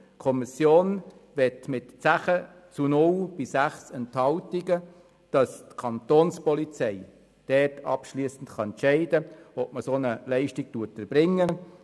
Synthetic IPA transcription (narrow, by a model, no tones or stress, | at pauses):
kʰɔmisjoːnʋɛtmɪtt͡sæχə | t͡sunʊlb̥ɪsæχsɛnthɑltiɡə | d̥ɑstkʰɑnt̪oːnspɔlit͡sɛɪ | d̥ɛtʰɑ̰pʃliːsn̩tχɑɛntʃɛɪdəɔp̚məsoːnəlɛɪʃtɪktuətəb̥ɾɪŋːə